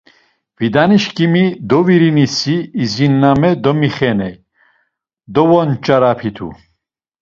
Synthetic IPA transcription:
vid̪aniʃkimid̪ɔviɾinisiːzinːamɛd̪ɔmiχɛnɛj | d̪ɔvɔnt͡ʃʼaɾapʰit̪ʰṵ

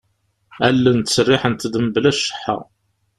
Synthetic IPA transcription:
ælːənt̪ə̥sərːɪħənt̪ːd̪əməblæʃːə̥ħːa̰ʁ

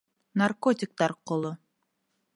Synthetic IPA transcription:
narkot̪ʲɪk̚t̪ɑɾqʊlˠu

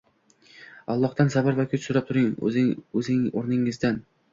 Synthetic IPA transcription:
ɒlˠːɒht̪ansabaɾvakʲʰʊt͡ʃsʊɾap̚t̪ʰʊɾɪŋ̰ɵzɪoɾnɪŋɪzd̪an

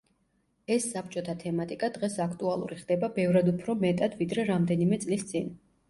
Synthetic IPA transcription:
ɛsːap̚t͡ʃʼɔt̪ʰat̪ʰɛmat̪ʼikʼad̪ʁɛsakʰt̪ʼualˠṵɾiχd̪ɛbabɛvɾad̪upʰɾɔmɛt̪ʼad̪vid̪ɾɛɾamd̪ɛnimɛt̪sʼlist̪sʼin

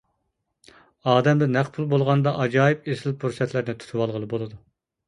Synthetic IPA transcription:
ɑːd̪ɛmd̪ɛnæqpʰulˠbolˠʁɑnd̪ɑʔɑd͡ʒɑːjɪpesɪlpʰuɾsɛt̪ʰlɪɾnɪt̪ʰu̥t̪ʰɨwɑlˠʁəlˠɨbolˠɨd̪u

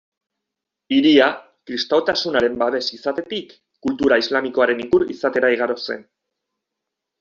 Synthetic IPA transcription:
iɾia | kɾist̪aot̪asunaɾe̞mbaβe̞sisat̪e̞t̪ikː | ult̪uɾaizlamiko̞aɾe̞niɡuɾḭsat̪e̞ɾaiɣ̞aɾo̞se̞̰n

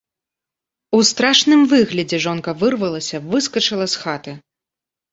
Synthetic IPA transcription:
ust̪ɾaʂnɨmvɨɣlʲɐd͡zʲɛʐɔnkɐvɨrvɐlˠɐsʲɐvɨskɐt͡ʂɨlˠɐsxat̪ɨ

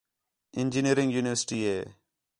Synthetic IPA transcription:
ɪ̃nd͡ʒiniəɾɪ̃ŋɡjuːnɪʋəɾsɪ̥ʈiːeː

